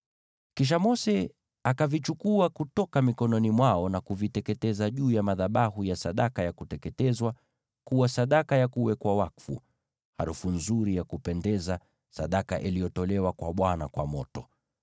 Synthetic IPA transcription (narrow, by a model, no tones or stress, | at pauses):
kiʃ̬amɔsɛ | akavit͡ʃukuakutɔkamikɔnɔnimwaɔnakuvitɛkɛtɛzaʄuːjamaðaɓaɦujasaɗakajakutɛkɛtɛzwa | kuwasaɗakajakuwɛkwawakfṵ | ha̰ɾufunzuɾijakupɛndɛza | saɗaka̰ʔilijɔtɔlɛwakwaɓwanakwa̰mɔtɔ